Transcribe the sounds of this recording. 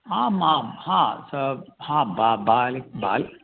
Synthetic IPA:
ãmãhãsəhãbabaːlik̚baːl

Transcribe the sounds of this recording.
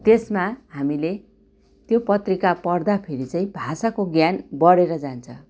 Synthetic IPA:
t̪esmahamile | t̪jopʌt̪rikapʌrd̪apʰeɾit͡sʌĩbʱasakoɡjanbʌɽeɾʌd͡zant͡sʰʌ

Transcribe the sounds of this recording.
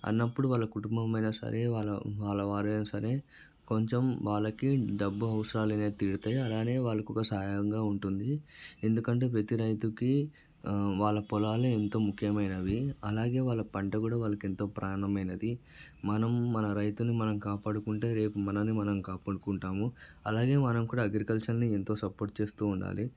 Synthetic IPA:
ɐ̰nːɐpːuɽuʋaːɭlːɐkuʈumbɐmɐjnɐsɐ̰ɾe̞ːʋaːɭɐʋaːɭːɐʋaːɾɐjnɐsɐɾe̞ː | ko̞ɲt͡ʃemʋaːɭːɐkiɖɐbːuɐʋɐsɐɾaːlɐneːt̪iːɽut̪aːjiɐlaːne̞ːʋaːɭːɐkɔkɐsaːjɐŋɡaːuɳʈund̪ie̞nd̪ukɐɳʈe̞ːpet̪iɾɐjt̪uki | ʋaːɭːɐpɔlaːluent̪o̞ːmukʰjɐmɐjnɐʋiɐlaːɡe̞ːʋaːɭːɐpɐɳʈɐkuːɽaːʋaːɭːɐke̞nt̪o̞ːpɾaːɐnɐmɐjnɐd̪imɐnɐmːɐnɐɾɐjt̪unːimɐnɐmkaːpaːɽukuɳʈe̞ːɾe̞ːpumɐnɐnːimɐnɐmkaːpɐɽukuɳʈaːmuɐlaːɡe̞ːmɐnɐmkuːɽaːɐɡɾikɐlt͡ʃɐlnie̞nt̪o̞ːsɐpo̞ːɾʈ̚t͡ʃe̞ːst̪uːɳɖa̰ːli

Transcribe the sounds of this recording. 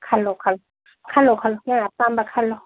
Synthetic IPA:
kʰalɔkʰalɔ | kʰalɔkʰalɔjaŋapambakʰalɔ

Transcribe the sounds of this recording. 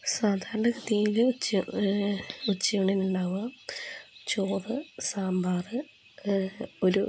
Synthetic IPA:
saːd̪ʱaːɾɐɳɖɐkɨt̪ːijilut͡ɕː | ut͡ɕːijoɳɖinuɳɖaːʋɐ | t͡ɕoːðɨsaːmbaːrɨ | oɾṵ

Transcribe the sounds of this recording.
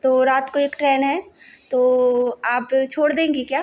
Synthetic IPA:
t̪oːɾaːt̪koeːkʈɾɛːnɦɛːt̪oːaːpt͡ʃʰoːɽd̪ẽːŋɡikjaː

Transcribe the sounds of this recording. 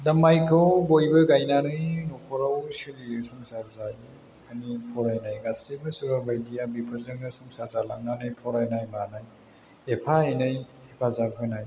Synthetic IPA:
dɐmajkʰɯwbojbɯɡajnanɯjnɔpʰɔɾawsilisuŋsaɾzaj | anipʰɔɾajnajɡasibɯsɯɾabajdijabipʰɯɾzɯŋɯsuŋsaɾzalaŋnanɯjpʰɔɾajnajmanaj | epʰaajnɯj | epʰazabʰɯnaj

